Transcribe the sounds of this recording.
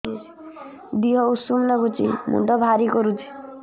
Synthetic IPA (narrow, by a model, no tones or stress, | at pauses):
d̪iɦɔusumlaɡut͡ʃḭmṵɖɔbʱaɾikɔɾut͡ʃʰi̥